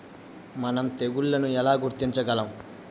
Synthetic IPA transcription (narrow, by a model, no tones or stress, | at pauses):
mɐnɐmt̪e̞ɡuɭːɐnuɛlaːɡuɾt̪iɲt͡ʃɐɡɐlɐm